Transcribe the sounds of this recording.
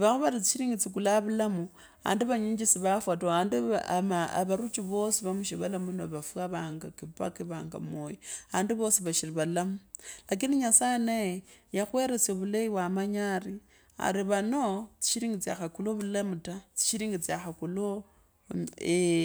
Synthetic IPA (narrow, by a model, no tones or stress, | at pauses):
βaxuβaɾit͡si̥ʃiɾiːŋɡit͡sik̬ulaβulamu | a̰ːndiβaɲiːɲd͡ʒisiβafwatoaːndimaa̰βaɾut͡ʃiβo̞siβamuʃiβalamunoβafuaβaːŋɡakipa̰kiβaːŋɡa̰moːjiaaːndiβo̞siβaʃiriβalamulak̬iniɲasajenajejaxweɾet͡seβuleiwamaɲari | a̰ɾiβano̞t͡si̥ʃiɾiːŋɡit͡sia̰xakuloβulamutat͡si̥ʃiɾiːŋɡit͡siaxakulo | e